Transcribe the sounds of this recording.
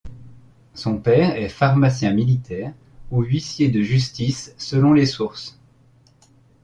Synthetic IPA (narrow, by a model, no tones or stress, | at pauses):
sɔ̃pɛːʁɛfaʁmasjɛ̃milit̪ɛːʁ | uɥisjed̪əʒyst̪isːəlɔ̃lesuʁs